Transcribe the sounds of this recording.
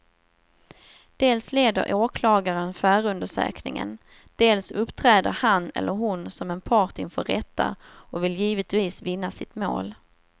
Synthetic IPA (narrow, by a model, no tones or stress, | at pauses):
d̪̥eːlsleːd̪ə̰ɾʔoːkʰlɑːɡaɾənfœːɾəɵnd̪əʂø̰ːknɪŋə̰n | d̪̥eːlsɵpːt̪ʰɾɛːd̪əɾhanɛ̰lːʔəɾɦʊnsɔmɛnpʰɑːʈɪnfœɾɛt̪ːa̰ɔvɪljiːvət̪viːsvɪnːasɪt̪mo̰ːl